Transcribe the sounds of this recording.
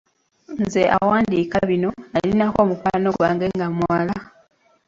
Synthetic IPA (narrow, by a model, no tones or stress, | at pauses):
nzeʔa̰waːndikaβino̞alinako̞ːmukwano̞waːŋɡe̞ŋɡamwala